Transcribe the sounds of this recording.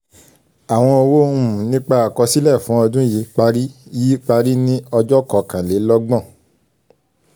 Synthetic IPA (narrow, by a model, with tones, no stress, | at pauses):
a˨w̃ɔ̃˧o˧wo˦m̃˨nĩ˦k͡pa˧a˨kɔ˧si˦lɛ˦˨fũ˨˦ɔ˧dũ˦ji˨˦k͡pa˧ɾi˦ji˨˦k͡pa˧ɾi˦nĩ˦ɔ˧d͡ʒɔ˦kɔ˨kã˨le˨˦lɔ˦ɡ͡bɔ̃˦˨